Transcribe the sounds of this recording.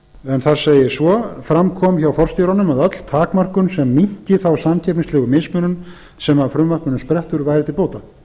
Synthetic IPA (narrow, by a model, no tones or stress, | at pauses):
ɛnθaɾseːjɪsvɔfɾamkʰɔːmçawfɔr̥st̪iɾanʏmaðat̪l̥t̪ʰaːkmar̥kʏnsɛmːiɲ̥cɪθawsamcʰɛpniŋslɛːɣʏmɪsmʏːnʏn | sɛmvaɾfɾʏmːar̥kʏnʏmspɾɛht̪ʏɾvajɾɪt̪ɪlpoːwt̪a